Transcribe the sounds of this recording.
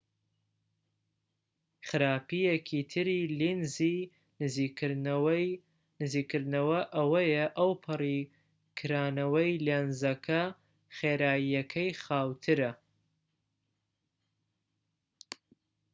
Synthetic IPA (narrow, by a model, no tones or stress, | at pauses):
χɨɾaːpijekʰit̪ʰɨɾilinzi | i | nɨzikːɨɾnɐwɐʔɐwɐjɐʔɐwpʰɨri | kʰɨɾaːnɐwɐjlenzɐkʰɐ | χeːɾaːjijɐkʰɐjχaːwt̪ʰɨɾɐ